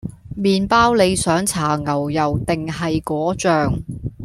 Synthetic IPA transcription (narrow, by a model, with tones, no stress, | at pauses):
miː˨npaː˥wle˨˧jsœː˨˥ŋt͡sʰaː˨˩ŋɐ˨˩wjɐ˨wt̪ɪ˨ŋɦɐ˨jkɔː˨˥t͡ʃœː˨ŋ